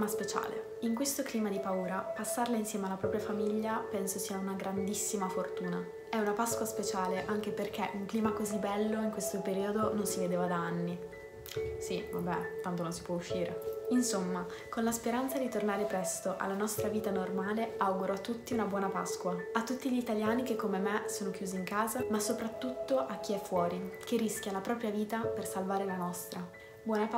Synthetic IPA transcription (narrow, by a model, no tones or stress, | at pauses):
maspet͡ʃa̰ːlḛ | iŋkwest̪okliːmad̪ipauːɾapasːarlainsjɛːmealːapɾɔːpɾjafamiʎːapɛnsosiːaunaɡɾand̪isːimafort̪uːna | ɛunapaskwaspet͡ʃaːleʔaŋk̟eperk̟eʔuŋkliːmakozibːɛlːoiŋkwest̪opeɾiːod̪ononsived̪eːvad̪aanːi | siva̰bɛt̪ːant̪ononsi̥pwɔuʃːiːɾḛinsomːa | konlaspeɾant̪sad̪it̪ornaːɾepɾɛst̪oʔa̰lːanɔst̪ɾaviːt̪anormaːleawɡuɾoat̪ːut̪ːiunabwɔːnapa̰skwaat̪ːut̪ːiʎit̪aljaːnikekːomemesoːnokjuːziːŋkaːzamasopɾat̪ːut̪ːoʔak̟ːiɛfːwɔːɾikerːiskʲjalapɾɔːpɾjaviːt̪apersalvaːɾelanɔst̪ɾa | bwɔːna